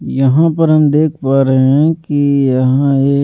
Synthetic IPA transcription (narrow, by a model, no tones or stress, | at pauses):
jɐɦãpɐɾɦɐmd̪eːkʰpaːɾeɦɛ̃kijɐɦãeː